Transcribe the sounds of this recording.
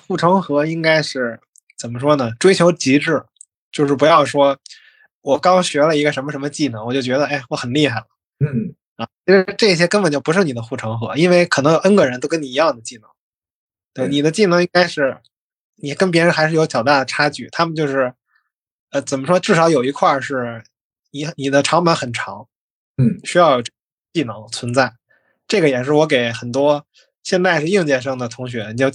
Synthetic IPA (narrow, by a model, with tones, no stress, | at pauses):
xu˥˩ʈ͡ʂʰɤ˧˥ŋxɤ˧˥i˥ŋka˥ɪʂɻ̩˥˩ | t͡sə˨˩nmə˦ʂwɔ˥nə˨ʈ͡ʂwe˥ɪt͡ɕʰjo˧˥ʊt͡ɕi˧˥ʈ͡ʂɻ̩˥˩ | t͡ɕjo˥˧ʊʂɻ̩˥˩pu˧˥jɑ˥˩ʊʂwɔ˥ | wɔ˨˩kɑ˥ʊɕɥɛ˧˥lə˧i˧˥ɡə˧ʂə˧˥mə˧ʂə˧˥mə˧t͡ɕi˥˩nɤ˧˥ŋwɔ˨˩t͡ɕjo˥˩ʊt͡ɕɥɛ˧˥d̪ə˧e˥˩ɪwɔ˧˥xə˨˩nli˥˧xa˥˩ɪlə˩ | a˥˧t͡ɕʰi˧˥ʂɻ̩˧ʈ͡ʂɤ˥˩˧ɕ̬jɛ˥kə˥npə˨˩nt͡ɕjo˥˩pu˧˥ʂɻ̩˥˩ni˨˩d̪ə˦xu˥˩ʈ͡ʂʰɤ˧˥ŋxɤ̰˧˥i˥nwe˥˩ɪkʰnɤ˧˥ŋjʊə˥nɡɤ˧˥ɻnt̪o˥ʊkə˥ni˨˩i˧˥jɑ˥˩ŋd̪ə˩t͡ɕi˥˩nɤ˧˥ŋ | t̪we˥˩ɪni˨˩d̪ə˦t͡ɕi˥˩nɤ˧˥ŋi˥ŋka˥ɪʂɻ̩˥˩ | ni˨˩kə˥np̬jɛ˧˥ɻə˧˥nxa˧˥ʂɻjo˧˥t͡ɕʰjɑ˨˩ʊt̪a˥˩d̪ə˩ʈ͡ʂʰa˥t͡ɕy̰˥˩t̪ʰa˥mə˨nt͡ɕjo˥˧ʊʂɻ̩˥˩ | ə˧t͡sə˨˩nmə˦ʂwɔ˥ʈ͡ʂɻ̩˥˩ʂɑ˧˥ʊjo˨˩ʊi˧˥kʰwa˥˧ʂɻ̩˥˩ | ni˨˩ni˨˩d̪ə˦ʈ͡ʂʰɑ˧˥ŋmə˧˥nxə˨˩nʈ͡ʂʰɑ̰˧˥ŋ˥˩ | ɕy˥jɑ˥˩˧ʊjo˨˩ʈ͡ʂe˥˩ | ɛ˥t͡ɕi˥˩nɤ˧˥ŋt͡sʰwə˧˥nt͡sa˥˩ɪ | ʈ͡ʂɤ˥˩ɡə˩jɛ˨˩ʂ̬ɻ̩˥˩wɔ˧˥k̬e˨˩ɪxə˨˩nt̪wɔ˥ | ɕjɛ˥˧nt͡s̪a˥˧ɪʂɻ̩˥˧ji˥˧ŋt͡ɕjɛ˥˩ʂ̬ɤ˥ŋd̪ə˨˩t̪ʰʊ˧˥ŋɕ̬ɥɛ˧˥ni˨˩t͡ɕjo˥˧